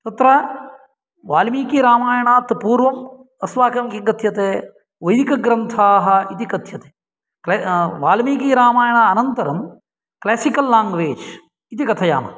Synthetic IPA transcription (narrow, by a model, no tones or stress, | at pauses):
t̪ɐt̪ɾaː | ʋaːlmiːkiːɾaːmaːjɽ̃aːt̪ɐpuːɾʋɐm | ɐsʋaːkɐmkiɡɐt̪ʰijɐt̪eː | ʋoikɐɡɾɐnt̪ʰaːɦɐit̪ikɐt̪ʰijɐt̪e̥ | keʋaːlmikiːɾaːmaːjɽ̃aːɐnɐnt̪ɐɾɐm | kleːsikɐlːãːŋɡʋeːd͡ʒ | ɪt̪ikɐt̪ʰɐja̰ːma̰ː